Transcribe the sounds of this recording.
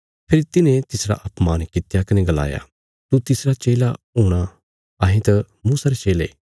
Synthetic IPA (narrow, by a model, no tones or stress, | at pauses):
pʰɪɾt̪ɪnẽt̪ɪsɾa̰ʔɐpmaːnkɪt̪jakɐnẽɡɐla̰ːja̰ | t̪ut̪ɪsɾat͡ʃeːlaɦoːɽ̃a | ɐːɦẽt̪ɐ | muːsaɾet͡ʃeːleː